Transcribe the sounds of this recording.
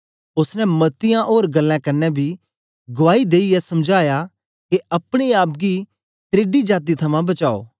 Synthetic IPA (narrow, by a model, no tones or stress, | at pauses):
ʊsnɛ̃mɐt̪ɪjãʔoːɾɡɐlːãkɐɾnɛbʱi | ɡʊʋaːid̪eːiɛsɐmd͡ʒʱaːja | keɐpɽ̃iaːp̚ɡi | t̪ɾeːɖid͡ʒaːt̪̬it̪ʰɐmãbɐt͡ʃa̰ːo̰ː